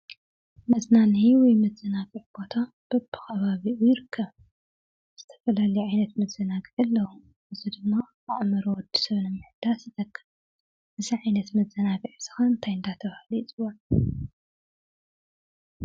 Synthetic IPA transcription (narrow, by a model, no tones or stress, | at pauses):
mɐznaniiwɔjmɐzɐnaɡiʕbo̞t̪ʰa | b̥ɐbːɨ̥xɐβaβiʔujɪɾɨkʰːɐβ | z̥ɨt̪ʰɐ̥fɐlalɐjuʕajnɐt̪mɐzɐnaɡiʕɨlːɐwu | ʔɨzid̪ɨmːa | aʕmɐɾowɔd̪ːi̥sɐβnɨmːɨħd̪̥asɨt̪ʰʼɐkʰːɨβ | ʔɨziʕajnɐt̪mɐzɐnaɡiʕsɨxɐnnt̪ʰajɨnd̪at̪ʰɐβhalijit͡sʼɨwːɐn